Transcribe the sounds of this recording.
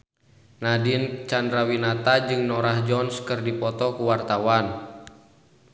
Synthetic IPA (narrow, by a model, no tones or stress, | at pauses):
nadint͡ʃandɾawinat̪ad͡ʒɨŋnɔɾahd͡ʒɔnskɨrdipɔt̪ɔkuwart̪awan